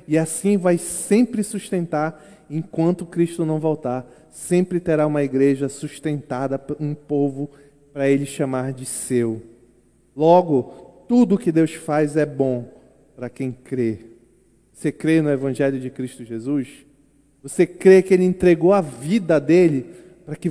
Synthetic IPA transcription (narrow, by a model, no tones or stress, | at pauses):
iasĩvajsẽmpɾɪsuʃt̪ẽnt̪aɾẽkwɐ̃nt̪ʊkɾiʃt̪ʊnɐ̃w̃vɔwt̪aɾ | sẽmpɾɪt̪eɾaũmɐiɡɾeʒɐsuʃt̪ẽnt̪ad̪ɐũpovʊ | pɾɐelɪʃamaɾd͡ʒɪsew | lɔɡʊt̪ud̪ʊkɪd̪ewsfajzɛbõ | pɾɐkẽj̃kɾe | vosekɾenʊevɐ̃ʒɛljʊd͡ʒɪkɾiʃt̪ʊʒezus | vosekɾekɪelɪẽnt̪ɾeɡowɐvid̪ɐd̪elɪ | pɾɐkɪ